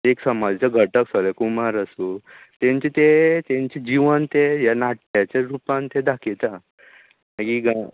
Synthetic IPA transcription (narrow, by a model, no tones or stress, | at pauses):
eksəmad͡zt͡ɕaɡʱəʈəksəlɛkumaɾəsu | t̪ẽɲt͡ɕet̪et̪ẽɲt͡ɕed͡ʑiʋənt̪ejanaʈjat͡ɕaɾupãnt̪ed̪akʰet̪a | nakiɡa